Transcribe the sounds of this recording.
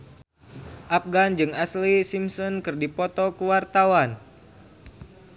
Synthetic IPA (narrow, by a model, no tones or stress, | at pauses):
ʔapɡand͡ʒɨŋaslisimsɔnkɨrdipɔt̪ɔkuwart̪awan